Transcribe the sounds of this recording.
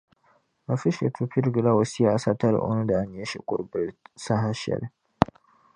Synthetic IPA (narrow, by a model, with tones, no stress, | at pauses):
a˨fi˦ʃe˨tʰu˨pi˦ɾɡi˨la˦wo˨si˦a˨˦sa˦ta˦ɾɪ̰˨ʔo̰˦nu˦da˨a˨ɲe˦ʃḭ˨kʷʼʊ̰˦ɾbɾi˦sa˦ɦa˦ʃɛ̰˨l